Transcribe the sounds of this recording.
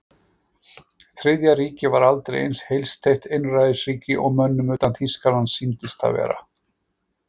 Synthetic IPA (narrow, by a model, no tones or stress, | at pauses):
θɾɪðjaɾiːcɪvaɾalt̪ɾejʔḛjnshejlst̪ʰejht̪ejnrajðɪsriːcɪʔɔɣmœnːʏmʏːt̪anθiskalansint̪ɪst̪ʰa̰vɛ̰ːɾa̰